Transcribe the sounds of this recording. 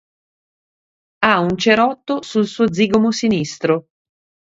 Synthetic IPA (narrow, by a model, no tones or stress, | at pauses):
aunt͡ʃeɾɔt̪ːosulsuːod̪ziːɡomosinist̪ɾo